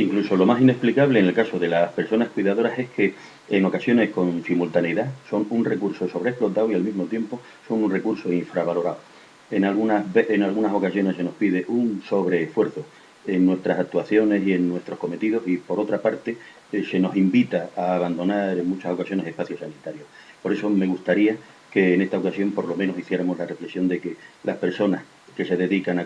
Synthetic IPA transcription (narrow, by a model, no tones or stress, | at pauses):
iŋkluso̞lo̞masine̞hplikaβle̞ːŋe̞lkaso̞ðe̞lahpe̞ɾso̞nahkwiðaðo̞ɾase̞hkʰe̞ː | ŋo̞kasjo̞ne̞hsko̞nsimult̪aneiðaso̞ŋunre̞kuɾso̞so̞βɾehplo̞t̪awialmizmo̞t̪jempo̞ | so̞nunre̞kuɾsoiɱfɾaβalo̞ɾaw | enalɣunaβeʔeŋalɣunaso̞kasjo̞ne̞se̞no̞hpiðe̞ʔunso̞βɾe̞ːhfwe̞ɾθo | e̞nnːwe̞st̪ɾasak̚t̪uaθjo̞ne̞sie̞nːwe̞st̪ɾo̞hko̞me̞t̪iðo̞sipo̞ɾo̞t̪ɾapaɾt̪e | se̞no̞simbit̪aaːβand̪o̞naɾe̞ŋmut͡ʃaso̞kasjo̞ne̞se̞hpaθjosanit̪aɾjo̞hpo̞ɾe̞so̞me̞ɣust̪aɾia | ke̞ːne̞st̪ao̞kasjo̞mpo̞ɾlo̞mẽnosiθje̞ɾamo̞ɦlare̞flesjo̞nd̪e̞ke̞lahpe̞ɾso̞nah | ke̞se̞ðe̞ðikana